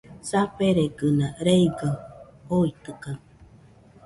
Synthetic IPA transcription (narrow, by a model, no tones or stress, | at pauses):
sapeɾeɡɯnaɾeiɡaoit̪ɯkaŋ